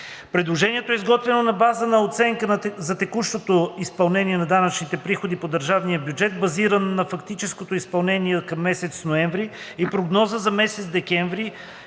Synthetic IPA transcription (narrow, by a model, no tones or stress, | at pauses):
pɾɛd̪lˠoʒɛniɛt̪oɛizɡɔt̪vɛnonɐbazənɐot̪sɛŋkənzɐt̪ɛkuʃt̪ot̪oispɐlˠnɛniɛnɐd̪anɐt͡ʃnit̪ɛpɾixod̪ipod̪əɾʒavnijəbjud͡ʒɛt̪̚bɐziɾənnɐfɐkt̪it͡ʃɛskot̪oispɐlˠnɛniɛkɐmːɛsɛt̪snoɛɱvɾi | ipɾoɡnɔzəzɐmɛsɛt̪sd̪ɛkɛɱvɾi